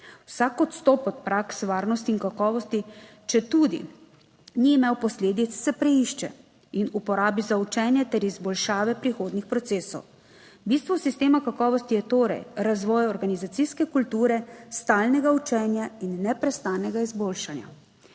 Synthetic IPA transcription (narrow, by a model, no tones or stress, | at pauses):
wsaːkɔt̪st̪ɔpɔt̪̚pɾaksʋaːɾnɔst̪iːnkakɔːʋɔst̪i | t͡ʃɛt̪uːd̪ḭ | niːmɛwpɔsleːd̪it̪sːɛpɾɛiʃt͡ʃɛ̰ | inupɔɾaːbizaut͡ʃɛnjɛt̪ɛɾizbɔlʃaːʋɛpɾixoːd̪nixpɾɔt̪seːsɔw | bist̪ʋɔsist̪eːmakakɔːʋɔst̪ijɛt̪oːɾɛ̰jɾazʋɔːjɔɾɡanizat̪siskɛkult̪uːɾɛst̪aːlnɛɡaut͡ʃɛːnjainːɛpɾɛst̪aːnɛɡaizboːlʃanja̰